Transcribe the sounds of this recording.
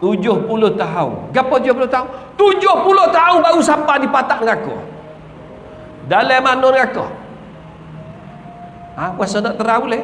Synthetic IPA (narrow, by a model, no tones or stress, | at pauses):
t̪ud͡ʒʊhpuloht̪aɦṵnɡapat̪ud͡ʒohpuloht̪aunt̪ud͡ʒohpuloht̪aʊnbausapadipat̪aʔŋakɔ̰ | dalɛmanɔnŋakɔ̰h | awasɔnɔʔt̪əɾaule